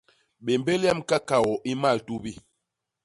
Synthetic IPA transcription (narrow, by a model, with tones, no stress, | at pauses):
ɓe˨mbe˦lɛ˦˨mka˦ka˨wɔ˨ʔi˦ma˦˨ltu˦bi˦